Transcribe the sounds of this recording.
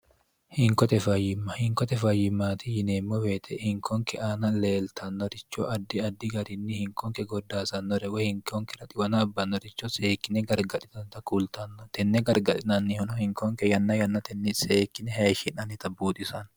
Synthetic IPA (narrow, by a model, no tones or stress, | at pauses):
hɪŋkɔt̪ɛfɐjɪmːɐhɪŋkɔt̪ɛfɐjːɪmːaːt̪ɪjɪneːmːɔbeːt̪ʰɛhɪŋkʰɔŋkɛʔaːnɐleːlt̪ʰɐnːɔɾɪt͡ʃːɔ̰ʔɐd̪ːɪɐd̪ːɪɡɐɾɪnːɪhɪŋkɔŋkɛɡɔd̪ːaːsɐnːɔɾɛwɛhɪŋkɔŋkɛɾɐt̪ʼɪwɐnɐːbːɐnːɔɾɪt͡ʃːɔseːkːɪnɛɡɐɾɡɐᶑɪt̪ɐnt̪ɐkult̪ɐnːɔt̪ɛnːɛɡɐɾɡɐᶑɪnɐnːɪhʊnɔhɪŋkɔŋkɛjɐnːɐjɐnːɐt̪ɛnːiseːkːɪnɛɦɐʃɪnɐnɪt̪ɐbuːt̪ʼɪsɐn